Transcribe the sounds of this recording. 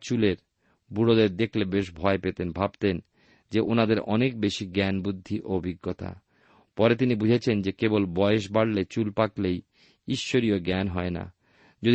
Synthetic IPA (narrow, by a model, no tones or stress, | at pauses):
t͡ɕuleɾ | buɽod̪eɾd̪ekʰlebeʃbʱɔepet̪enbʱabt̪en | d͡ʑeʔonad̪eɾɔnekbeʃiɡɛnbud̪ʱːiʔobʱiɡːot̪a̰ | pɔɾet̪̬inibud͡ʑʱet͡ɕʰend͡ʑekebolbɔeeʃ̬baɽlet͡ɕulpaklej | iʃːoɾioɡɛnɦɔena̰ | d͡ʑo